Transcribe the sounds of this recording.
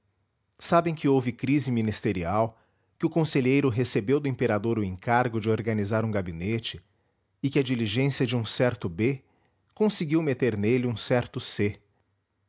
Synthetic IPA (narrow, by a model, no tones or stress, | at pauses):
sabẽj̃kɪowvɪkɾizɪmĩnist̪eɾiaw | kɪʊkõseʎejɾʊɦesebewd̪ʊẽmpeɾad̪oɾʊẽŋkaɾɡʊd͡ʒɪoɾɡɐnizaɾũɡabinet͡ʃɪ | ɪkɪɐd͡ʒiliʒẽsiɐd͡ʒɪũsɛɾt̪ʊbe | kõsɪɡiwmet̪eɾnelɪũsɛɾt̪ʊse